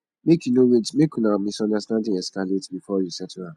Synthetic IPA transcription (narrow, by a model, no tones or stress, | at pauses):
mekjunowidmekjunamĩsɔ̃ndastãndɪ̃ŋɛskaletbifɔjusɛtʰuã